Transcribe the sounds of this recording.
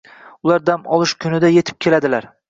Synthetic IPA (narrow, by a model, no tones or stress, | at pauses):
ʊlaɾd̪amɒlˠɪʃkʲʰʊnɪd̪aje̞t̪ʰɪ̥p̚kʲʰe̞lad̪ɪlaɾ